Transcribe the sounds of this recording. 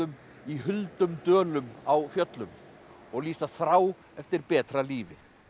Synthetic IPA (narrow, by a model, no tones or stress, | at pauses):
ʏm | iɦʏlt̪ʏmt̪œːlʏmawfjœt̪lʏm | ɔɣliːsaθɾaːw | ɛft̪ɪɾpɛːt̪ɾaliːvɪ